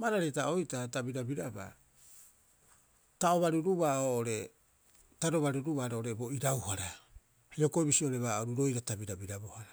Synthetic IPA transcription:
maɾaɾetaʔojtatabiɾabiɾaba̰ | taoβaɾuɾuβaoːʔoɾe̞ | taɾo̞βaɾuɾuβaɾoʔoɾebo̞iɾawhaɾa | haio̞koibisioɾe̞βaoɾuɾo̞jɾatabiɾabiɾabohaɾa

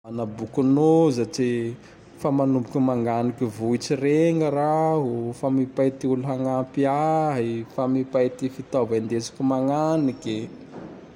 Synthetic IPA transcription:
anabukunozaʈ͡ʂi | famanumbukʲimaŋɡanikivuit͡sireŋəɾaɦofamipajt̪iuluɦaŋampiaɦjfamipajt̪ifit̪avand̪et͡si̥kumaŋanike

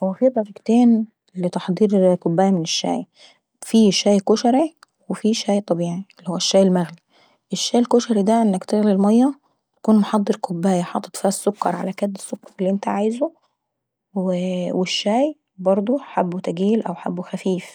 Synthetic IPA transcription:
wwefiːbɑɾiɡt̪eːn | let̪ɑħd̪ˤiːɾkobːæːjæmɪneʃːæ̰ːj | fiːʃæːjkoʃæɾi | wefiʃæːjt̪ˤɑbiːʕielːihowːæʃːæːjelmæɣli | ʔeʃːæːjelkoʃæɾid̪æʔenːækt̪ɪɣlilmɑjːɑ | t̪æ̥kuːnmoħɑd̪ˤːɨɾkobːæːjæħɑ̰ːt̪ˤːɑt̪ˤfæːsːokːɑɾˤʕa̰lækæd̪ːe̥sːokːɑɾˤelːiʔent̪æʕaːjzo | wweʃːæːj | bɑɾˤd̪ˤoħabːot̪æɡiːlʔæwħa̰bːoxæfiːf

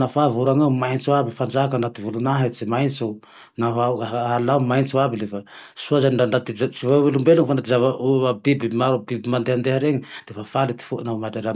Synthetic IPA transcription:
nafavuɾaŋamajnsoabifand͡ʒakanat̪ivulunaɦet͡ʃimajnso | naɦawkaalawmajnsuabilefasuazandandat̪isivawelumbeluŋfandat̪izavaabibimabibimand̪eand̪eɦaɾeŋid̪̥efafalet̪i̥fuʔnamadaɾa

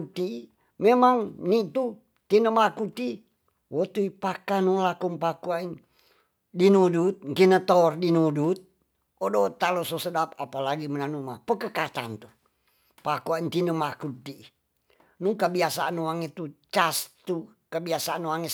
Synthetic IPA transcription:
t̪i | memaŋnit̪u | t̪inəmakut̪i | wot̪uipakanulakuŋpakuain | dinudut̪̚ŋkinət̪ordinudut̪̚ | odot̪alososədap̚apalaɡimənanumapəkəkat͡ʃ̪a̰nt̪u | pakuaint̪inəmakut̪i | nukəbiasaanuwaŋet̪ut͡ʃast̪u | kəbiasaanoaŋe

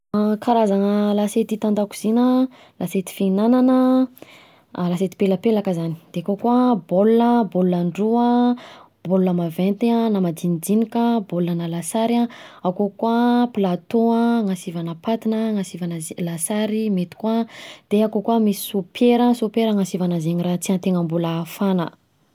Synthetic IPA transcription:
kaɾazaŋəlaset̪it̪and̪aku̥z̥inə | lʔaset̪i̥finananə | laset̪i̥peləpelakəzani̥d̪̥eakokuabolunəbolulaɳɖ͡ʐuə | b̥oluləmavent̪eanamad͡zinid͡zinikəbolanəlasaɾaawkokuaplat̪oaŋasivanəpat̪inəŋasivanəzlasaɾimet̪i̥kwad̪̥eakokuamisi̥supʰjeɾəsupeɾəŋasivanazeɲiɾat͡siant̪eŋəmbulaːfanə̰

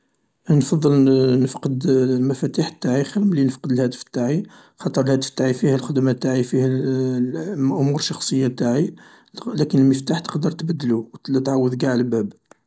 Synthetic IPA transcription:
nfɑd̪ˤːəlnəfqəd̪lmæfæt̪iħt̪ːaʕixəlmlinəfqəd̪əlhæd̪əft̪ːaʕi | xɑt̪ˤəɾˤəlhæd̪əft̪ːaʕifihælxəd̪mat̪ːaʕifihæ | mʔʊmuɾʃːɑxsˤəjːat̪aʕi | lækənəlməft̪aħt̪ə̥qd̪əɾˤt̪bəd̪ːəluwt̪ʕawːəd̪ɡaʕlbæb

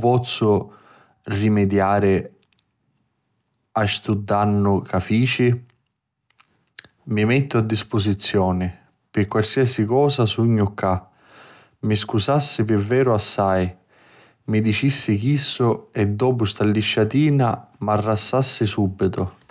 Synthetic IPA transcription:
pɔt̪sːʊ | rimɪd̪jaːɾɪ | aʃt̪ud̪ːanːʊkafiːt͡ʃi | mimɛt̪ːʊad̪ːispʊs̬it̪sːjɔːnɪ | pɪkwalsiːasikɔːsasuɲːʊkʰːa | mɪskusasːɪpɪvːɛːɾʊasːaj | mɪd̪it͡ʃisːɪk̟isːʊɛd̪ːɔːpʊst̪alːiʃːat̪iːnamarːasːasːɪsubːit̪ʊ

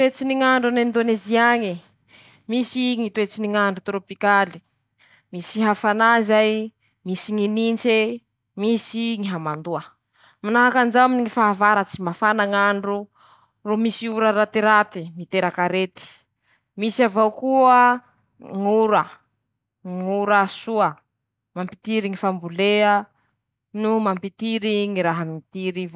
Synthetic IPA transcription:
t̪et͡siniŋaɳɖ͡ʐunind̪oneziaŋi | misiŋit̪uet͡siniŋaɳɖ͡ʐut̪ɾopikali̥ | misiɦafanaizaj | misiŋinint͡ʃe | misiŋiɦamand̪uə | minaɦakand͡ʒawaminiŋifaavaɾat͡simafanaŋaɳɖ͡ʐu | romisiuɾaɾat̪iɾat̪imit̪eɾakaɾet̪i̥ | misiavawkuə | ŋuɾə | ŋuɾasuə | mampi̥t̪iɾiŋifambuleə | numampit̪iɾiŋiɾaɦamit̪iɾiv

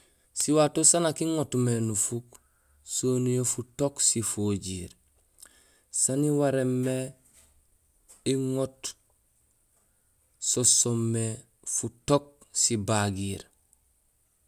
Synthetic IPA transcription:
siwatosanakiŋotmenufuk | soːnijofutoksifoɟiɾ | saniwaɾemːe | iŋot | sosomːe | futok̚sibaɡiːɾ

